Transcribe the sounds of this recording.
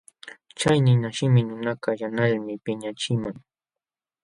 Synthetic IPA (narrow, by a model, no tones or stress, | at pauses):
t͡ʃajnɪnaʃɪmɪnʊnakajanaʎmɪpɪɲat͡ʃɪmaŋ